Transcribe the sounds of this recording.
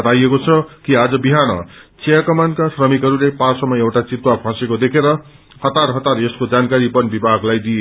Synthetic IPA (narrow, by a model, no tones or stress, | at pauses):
ʌt̪ajekot͡sʰʌkiad͡zʌbiɦanʌ̰t͡sijakʌmankasrʌmikɦʌɾulepasʌmːʌewʈat͡sit̪wapʰãsekod̪ekʰeɾʌ | hʌt̪arɦʌt̪aɾeskod͡zankaɾipʌnbibʱaɡlajd̪ie